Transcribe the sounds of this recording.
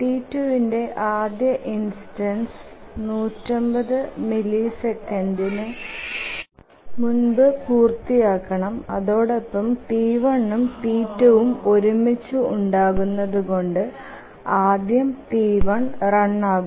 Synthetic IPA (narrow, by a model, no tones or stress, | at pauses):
ʈiːtːuʋinde̞ʔaːd̪jɐʔinstɐnsnuːtːɐmbɐðɨmilisekːɐndinɨ | munbɨpuːrt̪ːijaːkːɐɳɐmɐ̰ðo̞ːɽe̞pːɐmʈiːʋɐɳːumpiːtːuʋumo̞ɾumit͡ɕːuuɳɖaːɣunːɐðuɣo̞ɳɖɨ | aːd̪jɐmʈiːʋɐɳrɐɳːaːɣ